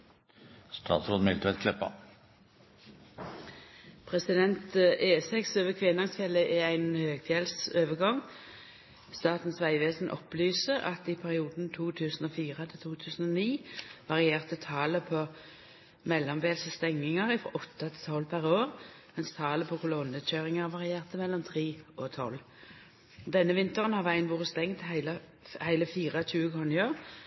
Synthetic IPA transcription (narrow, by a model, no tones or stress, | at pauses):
st̪ʰɑ̰ːt̪sɾoːd̪mɪlt̪ʋɛt̪kʰlɛpːɑ̰ | pʰʁɛsɪd̪ɛnt̪ʔeːsɛksøːʋəkʰʋɪnɑŋsfjɛlːəʔɛæɪnhøːɡt̪ʰjɛlsøːʋəɡɑŋː | st̪ɑːt̪n̩sʋæɪʋeːsn̩ʔɔ̰plyːsəɑ̰t̪ɪpʰæʁɪuːd̪n̩t̪ʰuːt̪ʰʉːsn̩oːfiːʁət̪ʰɪlt̪ʰuːt̪ʰʉːsn̩oːniːʋɑʁɪeːʁt̪ət̪ʰɑːləpʰɔ | mɛlːɔmʋeːlsəst̪ɛŋnɪŋɑʁɪfʁɔ̰ʔɔt̪ːɑt̪ʰɪ̥t̪ʰɔlːpʰæʁoːʁ | mɛnst̪ʰɑːləpʰɔkʰʊlɔnəc͡çøːʁɪŋɑʁʋɑʁɪeːʁt̪əmɛlːɔmt̪ʰʁiːʔɔt̪ʰɔ̰lː | d̪ɛnːəʋɪnt̪əʁənhɑʋæɪənʋuːʁəst̪ɛŋt̪hæɪlɑ | hæɪləfiːʁɑc͡çʉːəkʰɔnjøːʁ